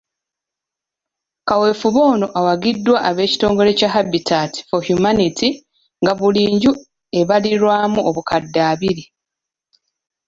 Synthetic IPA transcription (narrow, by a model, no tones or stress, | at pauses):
kawe̞ːfuβo̞ːno̞ʔawaɡidːwaʔaβe̞ːci̥to̞ːŋɡo̞ɾe̞caɦabitʰati̥fo̞hjumanitʰi | ŋɡaβuliːɲɟu | e̞βaliɾwaːmuoβukadːaːβiɾi